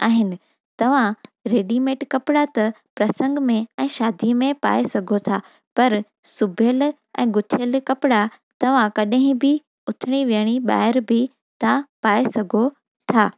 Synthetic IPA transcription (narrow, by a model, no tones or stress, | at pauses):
a̰ːɦɪnɪ̆ | t̪ɐʋ̤ãɾeːɖimẽːʈkɐpɪɽat̪ɐ | pɾɐsə̃ŋɡmẽɛ̃ːʃaːd̪ʱimẽpa̰ːesɐɡʱot̪ʰaː | pɐɾ | sʊbʱjəl | ɛ̰̃ːɡʊt̪ʰjəlkɐpɪɽa | t̪ɐʋ̤ãkɐɗɦɪ̃bɪ | ʊt̪ʰɪɽ̃iʋiəɽ̃iɓa̰ːɦɪɾbɪ | t̪ãpaːesɐɡʱo | t̪ʰaː